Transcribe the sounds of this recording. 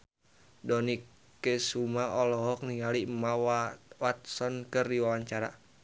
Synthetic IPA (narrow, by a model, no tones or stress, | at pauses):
dɔnikː | esumaɔlɔɦɔk̚niŋalimawawat̪̚sɔnkɨrdiwawaɲt͡ʃaɾa̰